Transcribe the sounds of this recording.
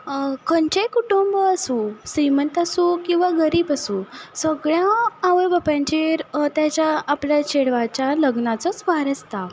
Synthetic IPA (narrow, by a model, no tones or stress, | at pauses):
kʰəɲt͡ɕekuʈumbəsũsimənt̪asũkĩw̃ʋaɡəɾiːbasũsəɡɭjãːʋəɾbəpãɲt͡ɕeɾt̪jat͡ɕjaːpljat͡ɕeɽʋat͡ɕjaləɡnat͡sət͡sʋaɾəst̪a